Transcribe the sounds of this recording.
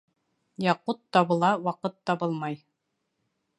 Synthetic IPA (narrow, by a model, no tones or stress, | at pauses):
jɑqut̪ːɑβɤ̆lˠɑwɑqɤt̪ːɑβɤlˠmɑj